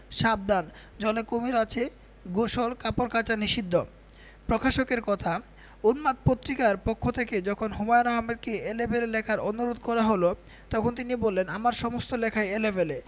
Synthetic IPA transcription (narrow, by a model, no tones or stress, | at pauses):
ʃab̚d̪an | d͡ʑɔlekomiɾat͡ɕʰe | ɡoʃolkapoɾkat͡ɕaniʃid̪ʱːo | pɾokʰaʃokeɾkɔt̪ʰa | onmak̪̚pot̪ːɾikaɾpokʰːot̪ʰeked͡ʑɔkʰonɦomɔjɾaɦamed̪̚keelebelelɛkʰaɾonuɾod̪ʱkɔɾaɦolo | t̪ɔkʰont̪̬inibolːenamaɾʃɔmost̪olɛkʰaeelebele